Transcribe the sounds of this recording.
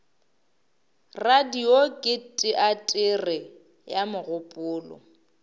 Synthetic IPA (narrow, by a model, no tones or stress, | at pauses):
radiokʼɪtʼɪʔatʼɪrɪ | jamʊɣʊpʼʊːlɔ̰